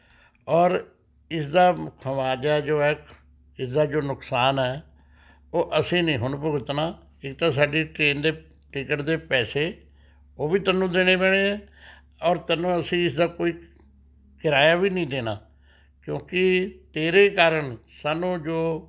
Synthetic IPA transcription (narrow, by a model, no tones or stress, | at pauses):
ɔːɾ | ɪsd̪aːkʰəmaːd͡ʒaːd͡ʒoːɛː | ɪsd̪aːd͡ʒoːnʊksaːnɛː | oːʔəsĩːnẽːɦʊɳpəɡɪt̪naː | ɪk̚t̪ãːsaːɖiːʈɾeːnd̪eː | ʈɪkəʈd̪eːpɛːseː | oːʋiːt̪ənːũːd̪eːɽ̃eːbɛːɽ̃eːɛː | ɔːɾt̪ənːũːəsĩːɪsd̪aːkoːiː | kɪɾaːjaːʋiːnĩːd̪eːña̰ː | kjõːkɪt̪eːɾeːkaːɾəɳsaːnũːd͡ʒoː